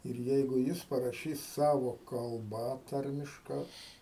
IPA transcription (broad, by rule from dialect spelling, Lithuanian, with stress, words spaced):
ɪr ˈjɛɪɡʊ ˈjɪs pɐrɐˈʃʲiːs ˈsɑːʋoː kɐlˠˈbɐ ˈtɐrʲmʲɪʃkɐ